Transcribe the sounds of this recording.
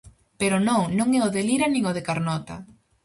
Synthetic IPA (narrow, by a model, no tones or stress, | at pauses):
peɾʊnõŋnõŋɛoðeliɾanĩŋoðekaɾnɔt̪a̰